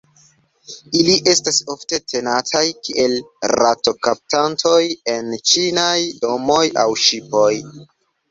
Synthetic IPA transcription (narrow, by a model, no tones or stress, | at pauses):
iliʔe̞staso̞fte̞tʰe̞natʰajkiʔe̞lɾato̞kap̚tantʰo̞je̞nt͡ʃinajdo̞mo̞ja̰wʃipo̞j